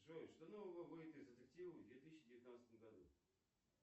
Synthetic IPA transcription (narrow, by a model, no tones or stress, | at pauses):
ʐoɪʂt̪onovəvəvɨjɪt̪ɨzət̪ɨktʲivəvd̪vʲet̪ɨɕːɪdʲɪvʲɪt̪nat̪st̪əmɡɐd̪ṵ